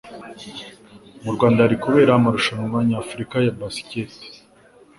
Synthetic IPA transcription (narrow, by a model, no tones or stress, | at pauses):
muɾɡwaːndaɾikuβe̞ːɾaːmaɾuʃanumvaɲaːfuɾikajabasi̥cet